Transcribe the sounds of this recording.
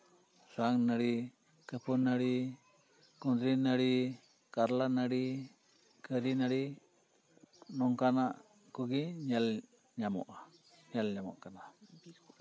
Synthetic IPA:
suaŋnaɾi | kəpʰunaɾi | kund̪ɾinaɾi | kaɾlanaɾi | kəɾinaɾi | nɔŋkanaʔ | kuɡiɲal | ɲamɔ̰ʔa | ɲalɲamɔ̰ʔkana

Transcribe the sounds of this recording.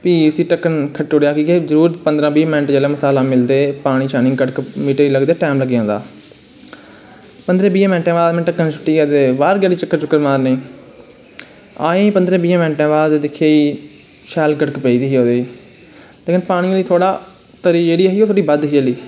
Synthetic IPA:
piːsiːʈəkːənkʰəʈːoːɽejaːkiːkeːzəɾuːɾpənd̪ɾãːbiːmɪnəʈd͡ʒeːlẽːməsaːlãːmɪld̪eːpaːɽ̃iːʃaːnɪ̃ːɡəɽkmiːʈeiːləɡd̪eːʈɛːmləɡjãːd̪a̰ː | pənd̪ɾẽːbiːãːmɛːnʈẽːʋaːd̪mɛ̃ːʈəkːənt͡ʃʰʊ̥ʈːiːɛːd̪eːbaːɾɡjaːɽiːt͡ʃəkːəɾt͡ʃʊkːəɾmaːɾnẽː | a̰ːẽːpənd̪ɾẽːbiːãːmənʈẽːʋaːed̪ɪkʰːjeːiː | ʃɛːlɡəɽəkpɛːiːd̪iːɦiːoːd̪eːiː | leːkʰɪnpaːɽ̃ĩːliːt̪ʰoːɽaː | t̪əɾiːd͡ʒeːɽiːɦiːoːt̪ʰoːɽiːbəd̪ɦiliː

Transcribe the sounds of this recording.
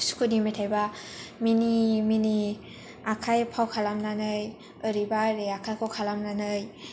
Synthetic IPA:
su̥kʰɯdimajtʰajbaminimini | akʰajpʰawkʰalamnanɯj | ɯɾibaɾeakʰajkʰawkʰalamnanɯj

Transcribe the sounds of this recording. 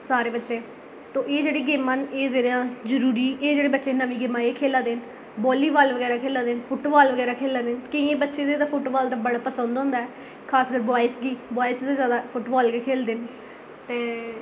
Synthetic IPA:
saːɾeːbətːʃeː | t̪õːʔeːd͡ʒeːɽiːɡeːmaːneːd͡ʒeːɽãːzəɾuːɾiːeːd͡ʒeːɽeːbətːʃeːnəʋĩːɡɪmãːekʰeːlaːd̪eːn | bɔːliːbaːlʋəɡɛːɾaːkʰeːlãːd̪eːnpʰʊʈbaːlʋəɡɛːɾaːkʰeːlãːd̪eːnkɪeːbətːʃeːd̪eːt̪ãːpʰʊʈbaːld̪aːbəɽaːpəsənd̪ɦõːnd̪aːɛː | kʰaːskəɾbɔːɪsɡiːboːɪsd̪aːzjaːd̪aːpʰʊʈbaːlkekʰeːld̪eːn | t̪eː

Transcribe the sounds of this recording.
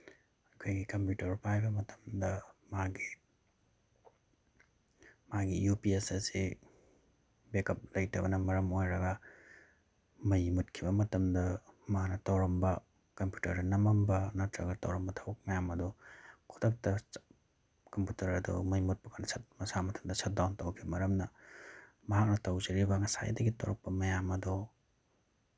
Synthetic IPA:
ɐkʰojɡikɐmpjutɐɾpajbɐmɐtʰɐ̥mdɐmaɡi | maɡḭjupiesɐse | bekɐp̚lɐjtɐ̰bɐnɐmɐɾɐmojɾɐɡɐ | mɐjmut̚kʰibɐmɐtɐmdɐmanɐtɐwɾɐmbɐ | kɐmpju̥tɐɾdɐnɐmɐmbɐnɐtɾɐɡɐtɐwɾɐmbɐtʰawɐk̚mɐjamɐdɔkʰu̥tʰɐk̚tɐ | kɐmputɐɾɐdɔ̰mɐjmut̚pɐkʰanɐsʰɐt̚mɐsamɐtʰɐmdɐsʰɐt̚dawntɐwkʰibɐmɐɾɐmnɐ | mɐɦak̚nɐtɐwzɐɾibɐŋɐsa̰j̰dɐɡitʰɐwɾɐk̚pɐmɐjamɐdɔ

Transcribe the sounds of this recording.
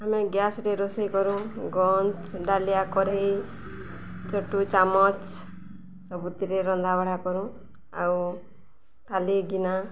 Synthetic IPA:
ameɡjasɾeɾɔsɔjkɔɾũɡɔnt͡ʃɖalijakɔɾe | t͡ʃɔʈut͡ʃamɔt͡ʃ | sɔbut̪iɾeɾɔnd̪abaɽ̤akɔɾũ | a̰w | t̪aliɡina

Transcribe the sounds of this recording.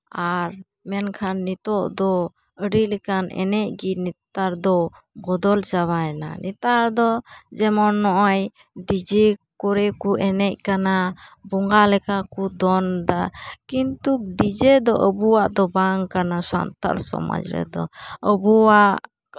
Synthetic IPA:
aɾ | mɛnkʰanːit̪ɔʔd̪ɔ | əɖilɛkanɛ̰nɛc̚ɡinit̪aɾd̪ɔ | bɔd̪ɔld͡ʒawana̰nit̪aɾd̪ɔd͡ʒɛmɔnːɔʔaj | ɖid͡ʒɛkɔɾɛkuɛnɛc̚kanabɔŋɡalɛkakud̪ɔnd̪akint̪uk̚ɖid͡ʒɛd̪ɔʔəbuwaʔd̪ɔbaŋkanasa̰nt̪a̰lsɔ̰ma̰d͡ʒɾɛ̰d̪ɔəbuwaʔʔ

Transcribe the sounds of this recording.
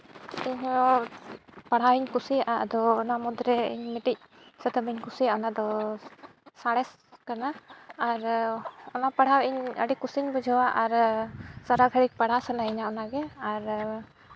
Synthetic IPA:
iɲɦɔ | paɽ̤awiɲkusijaʔad̪ɔːnamud̪ɾɛḭɲmɛʈic̚ | sɛt̪ɔbiɲkusijaɔnad̪ɔ | saɽɛs | kanaːɾɔnapaɽ̤awiɲə̰ɽikusiɲbɔd͡ʒʱɔwaʔaɾsaɾaɡʱəɽik̚paɽ̤asanaiɲaɔnaɡɛaɾ

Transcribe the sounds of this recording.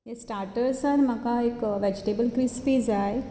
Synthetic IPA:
jesʈaːɾʈəɾsəɾmakaekʋɛd͡ʒʈeːbəlkɾispiːzae

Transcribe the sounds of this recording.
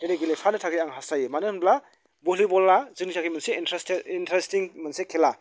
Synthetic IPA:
deɾeɡilepʰanɯtʰaɡiaŋɦasajemanɯnbla | bulibɔlːazɯŋizakʰimanseintɾesteintɾestiŋmansekʰela

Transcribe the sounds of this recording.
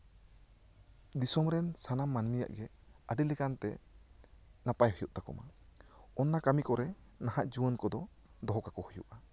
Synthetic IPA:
d̪isɔmɾɛnsanamːanmija̰ʔɡɛəɖilɛkant̪ɛ̰ | napajɦɔjuʔt̪akɔma̰ | ɔnːakamikɔɾɛ | naɦaʔd͡ʒuwənkɔd̪ɔ | d̪ɔɦɔkakɔhɔjṵʔa

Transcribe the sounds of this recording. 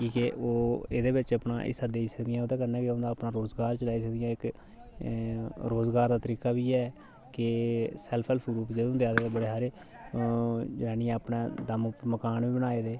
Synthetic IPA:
kiːkeʔoːeːd̪eːbɪt͡ʃəpna̰ːʔɪ̰saːd̪eːiːsəkd̪ɪjãːod̪ɛːkəɾnɛːkeõnd̪aːəpnãːɾoːzɡaːɾt͡ʃəlaːiːs̬əkd̪ɪjãːɪk | ɾoːzɡaːɾd̪aːt̪əɾiːkaːbiːɛː | kɪsɛːlpʰɛlpʰɡɾuːpd͡ʒəd̪õːd̪eaːd̪eːd̪eːbəɽeːɦaːɾeː | d͡ʒəaːniːãːəpnẽːd̪əmʊpməkaːnʋiːbənaːeːd̪eː

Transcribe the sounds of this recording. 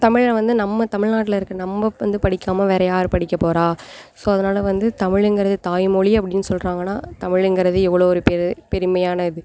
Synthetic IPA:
t̪ɐmɪɻʋɐnd̪ɯnɐmːɐt̪ɐmɪɻnaːʈːɪlɪɾɯkːɯnɐmbɐʋɐnd̪ɯpɐɽɪkːaːmɐʋeːɾɐjaːɾɯpɐɽɪkːɐpːoːɾaːsoːɐðɐnaːlɐʋɐnd̪ɯt̪ɐmɪɻɛŋɡɪɾɐðɯt̪aːjmɔɭiɐpːɐɽɪnːɯsɔlrɾaːŋɡɐnːaːt̪ɐmɪɻɛŋɡɪɾɐðɯɛʋːɐɭoːɔɾɯpɛpɛɾɯmɐjaːnɐɪðɯ

